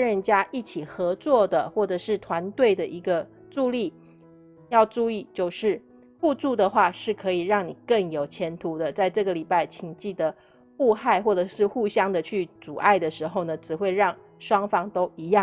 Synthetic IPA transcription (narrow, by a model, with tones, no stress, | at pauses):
ɻə˧nt͡ɕja˥ʔi˥˩t͡ɕʰi˨˩xɤ˧˥t͡swɔ˥˩d̪ə˩xwɔ˥˩ʈ͡ʂɤ˨˩ʂɻ̩˥˩t̪ʰwa˧˦nt̪we˥˩ɪd̪ə˩ʔi˧˥ɡə˧ | ʈ͡ʂu˥˧li˥˩ | jɑ˥˧ʊʈ͡ʂu˥˧i˥˩t͡ɕjo˥˧ʊʂɻ̩˥˩ | pu˥˧t͡su˥˩d̪ə˩xwa˥˧ʂɻ̩˥˩kʰɤ˧˥i˨˩ɻɑ˥˩ŋni˨˩kə˥˩ŋjo˨˩ʊt͡ɕʰjɛ˧˥nt̪ʰu˧˥d̪ə˨t͡sa˥˧ɪʈ͡ʂɤ˥˩ɡə˩li˨˩pa˥˩ɪt͡ɕʰi˨˩ŋt͡ɕi˥˩d̪ə˩ | pu˥˧xa˥˧ɪxwɔ˥˩ʈ͡ʂɤ˨˩ʂɻ̩˥˧xu˥˧ɕjɑ˥ŋd̪ə˨t͡ɕʰy˥˩t͡su˨˩ʔa˥˩ɪd̪ə˩ʂɻ̩˧˥xo˥˩ʊnə˩ʈ͡ʂɻ̩˨˩xwe˥˧ɪɻɑ˥˩ŋ | ʂwɑ˥ŋfɑ˥ŋt̪o˥ʊi˧˥jɑ˥˨